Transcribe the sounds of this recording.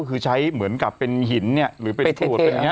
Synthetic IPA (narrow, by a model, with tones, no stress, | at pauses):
kʰɯː˧t͡ɕʰa˦˥jmɯ˩˦ənka˨˩pːe˧nɦi˩˦nːi˥˩ɐɾɯː˩˦pe˧t̪ʰu˥˩tŋi˦˥